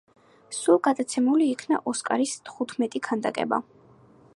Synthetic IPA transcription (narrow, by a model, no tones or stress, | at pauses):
sulˠɡad̪at̪sʰɛmuliːkʰna̰ʔɔskʼaɾist̪ʰχut̪ʰmɛt̪ʼikʰand̪a̰kʼɛ̰ba̰